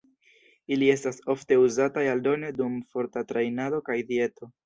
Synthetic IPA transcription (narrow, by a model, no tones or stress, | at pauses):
ilie̞staso̞fte̞uzatajaldo̞ne̞dumfo̞ɾtatɾajnado̞kajdie̞to̞